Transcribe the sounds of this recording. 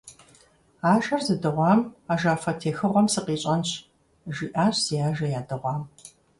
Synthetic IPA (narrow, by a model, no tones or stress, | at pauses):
aːʒɐrzɨdɨʁʷɑːmaːʒaːfɐtʰeːxɨʁʷɔmsɨqiːɕʼɐnɕ | ʒiːʔaːɕz̥iaːʒɐjaːdɨʁʷɑːm